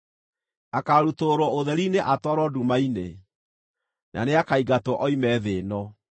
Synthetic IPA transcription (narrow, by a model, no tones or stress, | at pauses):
akaɾutoɾɔoðɛɾineʔatwaɾɔdumainḛ | nʔa̰neakaiɡatɔʔɔimɛːðeːnɔ